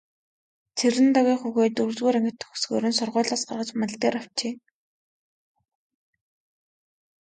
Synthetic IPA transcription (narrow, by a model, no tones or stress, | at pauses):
t͡sʰeɾɘ̆nt̪aɣʲiːχuɣeːt̪ɵɾt͡sɣuːɾæŋɡɘ̆t̪ʰːɵ̥̆xu̥sɡoːɾɵ̆nsʊrʁʊːɮaːsɢarʁə̆t͡ɕman̆ɮt̪eːɾaw̥t͡ɕeː